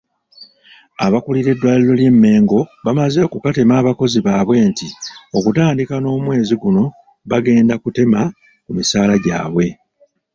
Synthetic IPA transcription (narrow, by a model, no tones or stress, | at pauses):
a̰βakuliɾe̞dːwaːlilo̞lje̞mːe̞ːŋɡo̞βamaze̞kukate̞maːβako̞ziβaːβwe̞ːntio̞kutaːndikano̞ːmwe̞ːziɡuno̞ | βaɡe̞ːndakute̞ma | kumisaːlaɟa̰ːβwe̞